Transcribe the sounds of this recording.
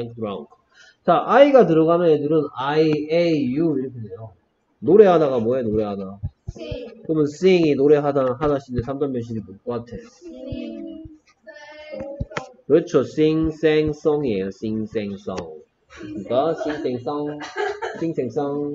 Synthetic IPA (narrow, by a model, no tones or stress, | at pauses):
ŋɾaunkʰ | t͡ɕaʔaiɡatɯɾʌɡamjʌnedɯɾɯnaiejuiɾʌkʰedejo | noɾe̞ɦadaɡamwʌɦenoɾe̞ɦada | kɯmɯns͈iŋinoɾe̞ɦadaɦadaɕʰindesʰamd͡ʑanbjʌnɕ̬ʰiditok͈ʌk͈atʰe̞ | kɾʌt͡ɕʰos͈iŋs͈eŋs͈ʌŋiejos͈ʰiŋs͈eŋs͈ʌŋ | ɯɯik͈asiŋs͈eŋs͈ʌŋs͈ʰiŋsʰeŋs͈aŋ